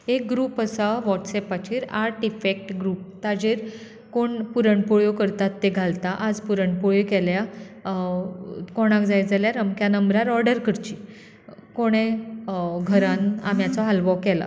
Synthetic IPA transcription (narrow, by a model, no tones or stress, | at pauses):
ek̚ɡɾuːpəsaʋɔʈsɛpat͡ɕiːɾaɾʈifek̚ʈɡɾuːp̚t̪ad͡ʑeɾ | koɳpuɾəɳpoɭjokəɾt̪at̪ːeɡʱalt̪aʔad͡zpuɾəɳpoɭjokɛlja | koɽ̃ãkd͡zajd͡zaljaɾəmkjanəmbɾaɾɔɾɖəɾkəɾt͡ɕiː | koɽ̃ẽ | ɡʱəɾãna̰mjat͡sɔɦalʋɔkɛla̰